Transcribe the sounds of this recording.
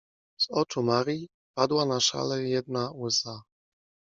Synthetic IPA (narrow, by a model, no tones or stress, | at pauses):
z̥ɔt͡ʂumaɾi | pad̪wanaʂa̰lɛjɛd̪̚nauɛsa